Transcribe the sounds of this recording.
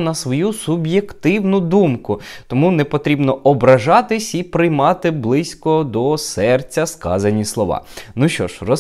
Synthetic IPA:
nɐsʋɔjusubjekt̪ɪwnʊd̪umkʊt̪ɔmunɛpɔt̪ɾʲibnɔʔɔbɾɐʒɑt̪ɪsʲipɾɪjmɑt̪ɪblˠɪsʲkɔd̪ɔsɛrt͡sʲːɐskɑ̰zɐnʲislˠɔʋɑ̰nuʃt͡ʃɔ̰ʃrɔ

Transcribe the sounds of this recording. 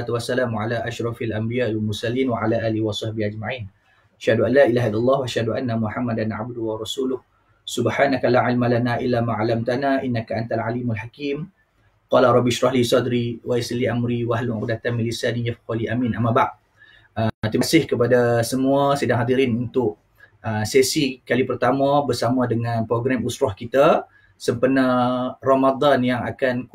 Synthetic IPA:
t̪uwasːalaːmʕalaʔaʃɾˤɑfalʔambijaʔalwlmʊrsaliːnwaʕalaʔaːlɪhiwasˤɑhbɪhad͡ʒmaʕin | ʔaʃhaduʔalːaʔilaɦailalˤːɑːhwaʔaʃhaduʔanːamuħamːad̪anʕa̰b̚d̪ʊwaɾˤɑsuːlʊh | subħaːnakalaʕɪlmalanaʔilːamãʕalamt̪anaʔinːakaʔant̪alʕalimalħakiːm | qɑlaɾˤɑbiʃɾɑɦlisɔd̪ɾiwaisliʔamɾiwaɦluak̚dat̪anmilisanijafqɔliʔamĩnʔamabaʔ | ət̪imasɪhkəpadasəmuasədaŋɦad̪iɾɪnunt̪ʊʔ | əsesikalipərt̪amãbərsamãdəŋãnpɾoɡɾamusɾɔhkit̪a | səmpənaramad̪anjaŋa̰kan

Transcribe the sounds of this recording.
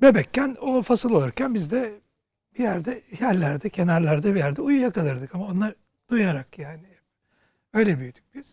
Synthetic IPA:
bebɛcːænofasɯlˠo̞lˠuɾcʰænbizd̪ɛ | b̥ijæɾd̪ɛjæɾlʲæɾd̪ɛcʰe̞næɾlʲæɾd̪ɛbijæɾd̪ɛujujakʰalˠɯɾd̪ɯkamao̞nˠaɾ | d̪̥ujaɾakjaːniɛp | ø̞jlʲɛbyjyd̪y̥c̚b̥iz̥

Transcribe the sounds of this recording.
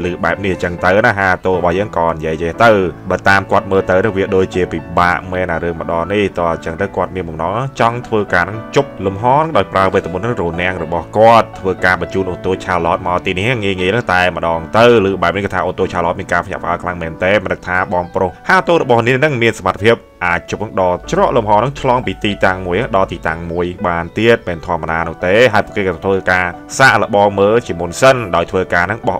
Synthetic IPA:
lɨːɓaɛp̚niht͡ɕəŋt̪ɨwnaɦaːt̪oːrɔɓɑhjəːŋkɑːnijiəjt͡ɕɛht̪ɨwɓaːt̪aːmkŏət̪̚məːlt̪ɨwnɨŋʋiəɗoːc̚t͡ɕiəpiɓaːʔmɛːnʔaɾɨəŋmə̆ɗɑːniht̪ŏəɲt͡ɕəŋt̪ɨwkŏət̪̚miənɓɑmnɑŋt͡ɕɑŋt̪ʰʋəːkaːnɨŋt͡ɕup̚lumɦɑːnɨŋɗaɔjpraəpeːt̪aɓonɨŋronɛ̆əŋrɔɓɑhkŏət̪ʰːʋəːkaːɓɑt͡ɕuːnʔoːnt̪oːt͡ɕʰaːəlɔːt̪̚maɔlt̪iːnihaŋiəjŋiəjnɨŋt̪aɛmə̆ɗɑːŋt̪ɨwlɨːɓaɛp̚nihkɨːt̪ʰaːʔont̪oːt͡ɕʰaːlɔːt̪miənkaːpʰɲa̰ʔpə̰̆ʔaːəkʰlaŋmɛːnt̪eːmənɨk̚t̪ʰaːɓɑːŋprʊhhaːt̪oːrɔɓɑhniənɨŋmiənsamat̪ʰːpʰiəp̚ʔaːc̚t͡ɕup̚nɨŋɗɑːt͡ɕrŏəʔlumɦɑːnɨŋt͡ɕʰlɑːŋpiːt̪iːt̪aŋməjnɨŋɗɑlt̪iːt̪aŋmuəjɓaːnt̪iət̪̚mɛːnt̪ʰoəmːəɗaːnʊ̆əht̪eːɦaəjpṵ̆əkeːkɑt̪ʰʋəːkaː | saːʔlə̆ɓɑːŋməːlt͡ɕiəmunsənɗaɔjt̪ʰʋəːkaːnɨŋɓɑh

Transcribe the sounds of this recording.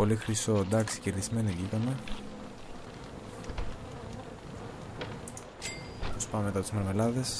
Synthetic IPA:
o̞lixɾisod̪ɐksi̥celizme̞niðikɐme | pospɐmeme̞t̪ɐt̪izmeɾme̞lɐðe̞s

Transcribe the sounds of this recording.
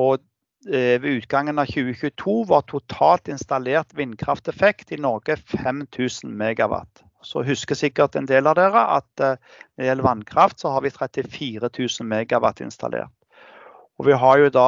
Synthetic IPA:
ɔ | ʋɛʉːt̪ɡɑŋːənɑçʉːəçʉːt̪ʰuːʋɑʁt̪ʰʊt̪ʰɑːlt̪ɪnst̪ɑleːʁt̪ʋɪnkʰʁɑft̪ɛfɛkt̪ɪnɔɾɡəfɛmt̪ʰʉːsən̩mɛːɡɑʋɑ̰t̪ː | sɔ̰ɦʉskəsɪkːəʁt̪ɛnd̪eːlɑd̪eːʁəʔɑ̰t̪ | nɛd̪ɪjɛlːəʋɑnkʰɾɑft̪sɔhɑɾʋɪt̪ʰɾɛt̪ɪfiːɾət̪ʰʉːsn̩meːɡɑʋɑt̪ːɪ̰nst̪ɑ̰lʔḛːʁt̪ | ɔʋɪɦɑjʊd̪ɑː

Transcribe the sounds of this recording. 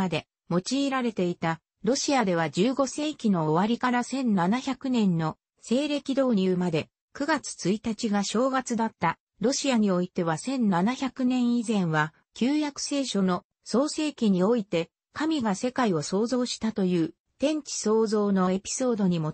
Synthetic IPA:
ad̪e̞ | mo̞t͡ɕiːɾaɾe̞t̪e̞it̪a | ɾo̞ɕiad̪e̞β̞ad͡ʑɨːɡo̞se̞ːkʲino̞ːβaɾʲikaɾasẽ̞nnanaçʲakɯ̟nẽ̞nːo̞ | se̞ːɾe̞kʲid̪o̞ːɾʲɯːmad̪e̞ | kɯ̟ɡat͡sɨ̥t͡sɨit̪at͡ɕiɡaɕo̞ːɡat͡sɨd̪at̪ːa | ɾo̞ɕiaɲ̟io̞it̪e̞βasẽ̞nnanaçakɯ̟nẽ̞ɰ̃izẽ̞ɰ̃βa | kʲɨːjakɯ̟̥se̞ːɕo̞no̞ | so̞ːse̞ːkʲiɲ̟io̞it̪e̞ | kamʲiɡase̞kaio̞so̞ːzo̞ːɕi̥t̪at̪o̞jɯ̟ː | t̪ẽ̞ɲ̟t͡ɕi̥so̞ːzo̞ːno̞e̞pʲi̥so̞ːd̪o̞ɲ̟imo̞

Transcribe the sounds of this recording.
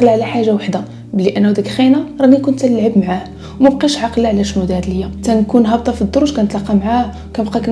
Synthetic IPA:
qlaʕlæħaʒːawaħd̪a | bəlːiʔænːæd̪ækxinaɾˤɑnikʊnt̪ləlʕəbmʕah | wmæb̚qiʃʕɑqlaʕlæʃnud̪æd̪ləjːæt̪ænkunɦɑb̚t̪ˤɑfid̪ˤːoɾˤuʒkænt̪lɑqːɑmʕahwkænbqɑkæ

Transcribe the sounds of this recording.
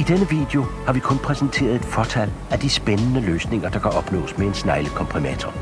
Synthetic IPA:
id̥enəʋḭːd̥e̝o̝hɑ̈ʋikʰɔ̽npʰʁɛsnt͡sʰe̝̰ːɐð̞ˠe̝d̥fɒt͡sʰæl̰ | æd̥isb̥enənəløːsne̝ŋɐd̥ɑ̈kʰæɒ̽b̥nɔ̰ːsmee̝nsnɑ̈ɪləkʰɒ̽mpʰʁimæt͡sʰɒ

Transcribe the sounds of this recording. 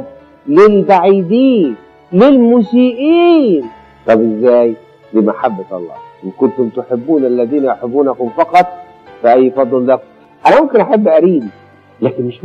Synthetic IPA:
lɪlbaʕiːd̪iːn | lɪlmuːsiːʔiːn | t̪ˤɑbʔɪzːæːj | d̪iːmaħabːat̪ʔɑ̰lˤːɑ̰ːʔɪnkʊnt̪ʊmt̪ʊħɪbːuːnælːæðiːnæjoħɪbːuːnækʊmfɑqɑt̪ˤ | fiʔæjːfɑd̪ˤːɨlːækʊm | ʔænæmʊmkɪnʔaħabːʔæɾiːd̪i | læːkɪnmɪʃ

